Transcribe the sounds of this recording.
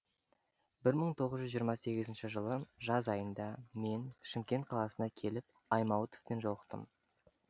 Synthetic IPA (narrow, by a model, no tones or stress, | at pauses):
bɪɾməɴt̪ʰo̞ʁəzʒʏzʒijəɾmɑse̞ɡʲɪzɪnʃɪʒəlˠəʒɑzɑjənd̪ɑme̞nʃɪmkʲe̞nt̪̚qʰɑlˠɑsənɑkʲʰe̞lɪp̚ | ɑjmɑwət̪ofpe̞nʒowəqt̪ə̰m